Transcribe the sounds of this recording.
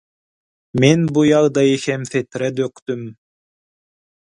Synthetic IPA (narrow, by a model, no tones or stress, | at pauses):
menbujɑʁd̪ɑjexɛmθet̪ɾɛd̪økt̪ym